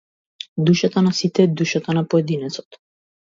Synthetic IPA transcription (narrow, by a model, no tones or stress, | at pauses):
d̪uʃat̪anasit̪ɛːd̪uʃat̪anapoɛd̪inɛt̪sɔ̥t̪